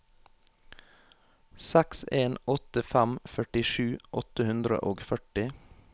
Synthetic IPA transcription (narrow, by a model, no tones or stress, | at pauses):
sækseːnɔt̪əfæmfœʈɪʃʉːʔɔt̪əhʉnd̪ɾə̰ʔoːɡfœʈɪ